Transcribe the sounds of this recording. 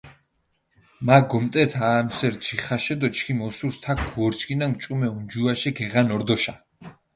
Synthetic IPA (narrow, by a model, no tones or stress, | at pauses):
maɡɔmt̪ʼɛt̪ʰaːmsɛɾd͡ʒiχaʃɛd̪ɔt͡ʃʰkʰimɔsuɾst̪ʰakʰwɔɾt͡ʃʰkʰinaŋɡt͡ʃʼumɛund͡ʒuaʃɛɡɛʁanɔɾd̪ɔʃa